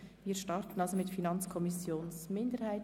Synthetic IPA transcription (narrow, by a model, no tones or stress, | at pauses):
viːɾʃtɑɾtn̩ɑlsomɪtfinɑnt͡skʰɔmɪsjoːnsmɪndəɾhaɪt